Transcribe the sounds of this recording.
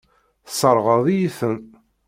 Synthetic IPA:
θsˤəɾˤʁəðˤijiθən

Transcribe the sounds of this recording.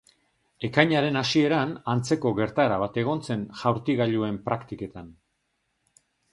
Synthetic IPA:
e̞kajɲaɾe̞nasie̞ɾanant͡se̞ko̞ɣe̞ɾt̪aeɾaβ̞at̪e̞ɣ̞o̞nt͡se̞nʝawɾt̪iɣaʎue̞mpɾakt̪ike̞t̪an

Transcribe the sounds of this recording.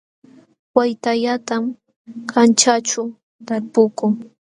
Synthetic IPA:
wajt̪aʎat̪am | kʰant͡ʃat͡ʃʊ | t̪aɾpʊkʊŋ

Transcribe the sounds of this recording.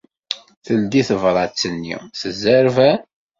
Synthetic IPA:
θəld̪iθəvɾˤɑt͡sːənːḭθəzːəɾvæ

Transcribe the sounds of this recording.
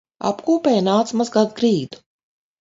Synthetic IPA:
a̰pkuːpɛːjnaːt̪smazɡad̪ɡɾiːd̪u̥

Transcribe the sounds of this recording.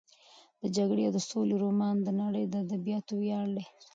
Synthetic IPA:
d̪̥əd͡ʒaɡɽead̪əsoleɾomɑnd̪ənaɽəjd̪əad̪abijɑt̪owjɑɽd̪e

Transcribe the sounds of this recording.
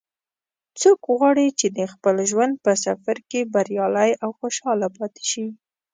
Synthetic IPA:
t͡sokɣwɑɽit͡ʃed̪əxpəlʒwand̪̚pəsafaɾkebaɾjɑlajawxoʃɑlapɑt̪e̥ʃi

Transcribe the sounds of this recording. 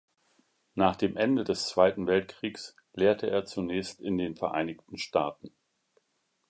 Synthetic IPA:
naːχd̥eːmʔɛndədɛst͡sv̥aɪtn̩vɛltkʁ̥iːks | leːɐtʰəʔeːɐt͡sunɛːçstɪndeːnfɛɐʔa̰ɪnɪçtn̩ʃtaːtn̩

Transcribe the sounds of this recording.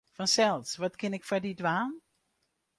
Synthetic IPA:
fɑnsɛlˠsʋɑtkɪnɪkfadidʋaːn

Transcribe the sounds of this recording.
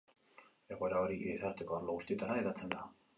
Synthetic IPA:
e̞ɣ̞o̞eɾao̞ɾiiesaɾt̪e̞ko̞aɾloɣust̪ie̞t̪aɾaeðat͡se̞nd̪a

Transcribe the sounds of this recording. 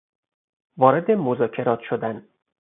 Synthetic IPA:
vɒːɾed̪emozɒːcʰe̞ɾɒːt̪ʰʃod̪æn

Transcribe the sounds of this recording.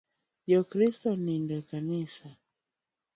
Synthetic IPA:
jɔkɾistanindɛkanisa

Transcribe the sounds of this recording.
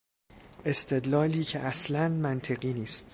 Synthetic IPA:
ʔe̞st̪ʰe̞d̪lɒːliːcʰeʔæslænmænt̪ʰe̞ɢiːniːst̪

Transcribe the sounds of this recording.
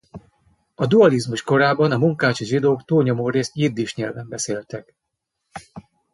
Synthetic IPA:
ɒd̪uɒlizmuʃko̞ɾaːbɒnɒmuŋkaːt͡ʃiʒid̪oːkt̪uːlɲo̞moːɾeːst̪jird̪iʃɲɛlvɛmbɛseːlt̪ɛk

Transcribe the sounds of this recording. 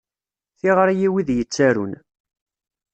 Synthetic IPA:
θiʁɾjiwiðjət͡sːæɾun

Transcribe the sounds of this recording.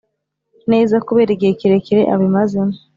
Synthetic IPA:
neːzakuβeɾiɡɟekiɾekiɾḛʔa̰βimazin

